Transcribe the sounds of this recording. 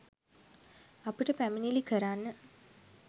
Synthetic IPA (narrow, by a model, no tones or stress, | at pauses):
ɐpiʈəpæminilikəɾaːnːə